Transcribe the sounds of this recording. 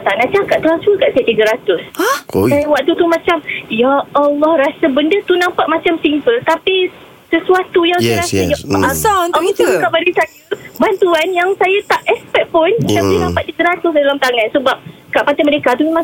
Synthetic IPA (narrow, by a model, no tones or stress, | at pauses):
t̪aŋaʔt͡ʃakat̪aŋsuəkaʔsat̪iɡəɾat̪ʊsksajawaʔ̚t̪ut̪umãt͡ʃamjaːlːɔhrasabəndət̪unãmpaʔ̪̚mãt͡ʃamsimpəlt̪api | səsuat̪ujaŋjɾasajaaamit̪ukaʔbadasajəbant̪uanjaŋsajat̪aʔɛspɛk̚pʊnt̪adinãpat̪̚t̪iɡəɾat̪ʊsdalamt̪aŋãnsəbap̚kaʔpat̪aməɾekat̪umemãŋ